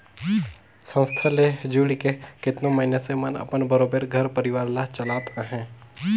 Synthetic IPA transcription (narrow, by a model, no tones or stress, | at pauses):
sə̃nst̪ʰaled͡ʒuːɽikekɪt̪nõməɦɪnəsemənə̰pənbəɾoːbeɾɡʱəɾpəɾɪʋaːɾlat͡ʃəlaːt̪aɦɛ̃ː